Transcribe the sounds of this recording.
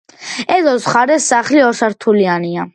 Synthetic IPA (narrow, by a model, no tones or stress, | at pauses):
ɛd̪ɔsχaɾɛsːaχliɔsaɾt̪ʰuliania